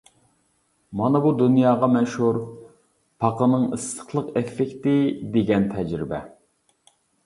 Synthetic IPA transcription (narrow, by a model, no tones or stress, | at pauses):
mɑnɨbud̪unjɑːʁɑmɛʃhuɾ | pʰɑqənɨŋɨst̪ʰə̥χlˠəqefːɪkʲt̪ɪd̪eɡʲɛnt̪ʰɛd͡ʒɾɪbɛ